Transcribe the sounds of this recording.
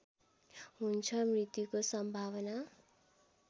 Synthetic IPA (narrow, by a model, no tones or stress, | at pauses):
ɦunt͡sʰʌmrit̪jukosʌmbʱaβʌna